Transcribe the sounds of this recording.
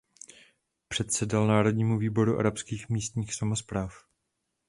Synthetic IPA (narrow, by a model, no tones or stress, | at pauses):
pr̝̥ɛt̪sɛdalnaːɾo̞dɲiːmuviːbo̞ɾuʔa̰ɾapskiːxmiːst̪ɲiːxsamo̞spɾaːf